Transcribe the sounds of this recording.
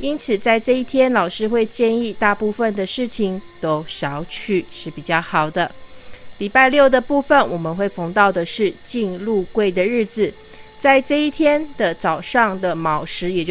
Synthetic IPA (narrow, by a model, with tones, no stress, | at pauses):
i˥nt͡sʰɹ̩˨˩t͡sa˥˧ɪʈ͡ʂɤ˥˧i˥˩t̪ʰjɛ˥nlɑ˨˩ʊʂɻ̩˥xwe˥˧ɪt͡ɕjɛ˥˧ni˥˧t̪a˥˧pu˥˧fə˨nd̪ə˩ʂɻ̩˥˩t͡ɕʰi˨ŋt̪o˦˥ʊʂɑ˧˥ʊt͡ɕʰy˥˧ʂɻ̩˥˩pi˨˩t͡ɕjɑ˥˩ʊxɑ˨˩ʊd̪ə˦li˨˩pa˥˧ɪljo˥˩ʊd̪ə˨pu˥˩fə˨˩nwɔ˨˩mə˦nxwe˥˩ɪfɔ˧˥ŋt̪ɑ˥˩ʊd̪ə˩ʂɻ̩˥˧t͡ɕi˥˧nlu˥˧kwe˥˩ɪd̪ə˨ɻɻ̩˥˩d͡z̩˨˩ | t͡sa˥˧ɪʈ͡ʂɤ˥˧i˥˩t̪ʰjɛ˥nd̪ə˨t͡sɑ˨˩ʊʂɑ˥˩ŋd̪ə˩mɑ˨˩ʊʂɻ̩˧˥jɛ˨˩t͡ɕo˥